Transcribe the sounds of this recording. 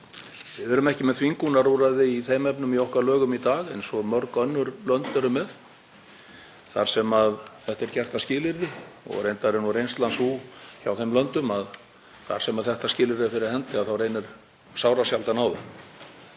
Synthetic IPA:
vɪðɛɾʏmɛhcɪmɛðθviŋkunaɾuːɾaðɪiθejmɛpnʏmiowhkvalœːɣʏmit̪aːɣɛnsɔmœɾkœnːʏɾlœnt̪ʏɾʏmɛð | θa̰ɾ̥sɛmaðθɛht̪ɛɾ̥cɛr̥t̪ascɪːlɪɾðɪɔ̰ɣrejnt̪aɾɛɾnurejnst̪lansuçawθejmlœnt̪ʏmað | θa̰ɾ̥sɛmaðθɛht̪ascɪːlɪɾðɪfɪɾɪɾhɛnt̪ɪaðθawrejnɪɾ̥ | sawɾasjalt̪anaːwða

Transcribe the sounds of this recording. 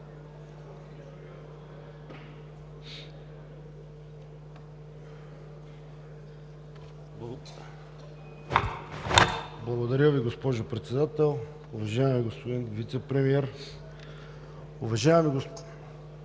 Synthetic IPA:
blˠɐɡod̪ɐɾʲəviɡospɔʒʊpɾɛt̪sɛd̪at̪ɛlˠ | ʊvɐʒaɛmiɡospod̪invit̪sɛpɾɛmiɛɾ | ʊvɐʒaɛmiɡo

